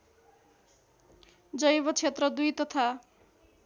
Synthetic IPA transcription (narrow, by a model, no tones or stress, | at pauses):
d͡zʌjbʌt͡sʰet̪rʌd̪ujt̪ʌt̪ʰa